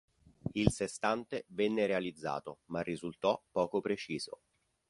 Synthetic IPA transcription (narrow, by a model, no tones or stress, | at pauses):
ilsest̪ant̪evɛnːeɾealid̪zːa̰ːt̪omarːizult̪ɔpːɔːkopɾet͡ʃiːz̥o̰